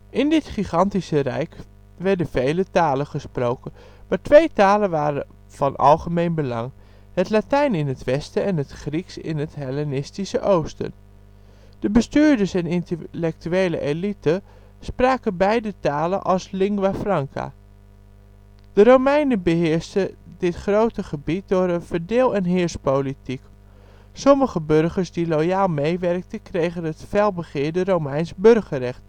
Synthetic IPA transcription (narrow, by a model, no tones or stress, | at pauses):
ʔɪndɪtχiχɑntisərɛ̰jk | ʋɛɹdəv̥ejlətaːlənχəsprowkən | maːtʋejtaːlənʋaːɾə̰ | v̥ɑnʔɑ̰lˠχəmejnbəlɑŋ | hətlatɛjnɪnətʋɛstəɛnɦətχriksɪ̰nətɦelɛnɪstisəʔowstə̰n | d̥əbəstyːɹdəɹsɛnɪntəlɛk̚tyejlə̰ʔelitə | spraːkəbɛjdətaːlə̰nʔɑlˠslɪŋɡʋafrɑŋkʰa̰ | d̥ərowmɛjnəbəɦɪːəɹstədɪtχrowtəχəbit̚dʊːɾəvəɹdɪːlˠɛnɦɪːɹspowlitik | sɔməχəbørχəɹsdilojaːlˠmejʋɛrk̚təkrejχənɦətfɛlˠbəχɪːɹdərowmɛjnsbɵrχərɛχt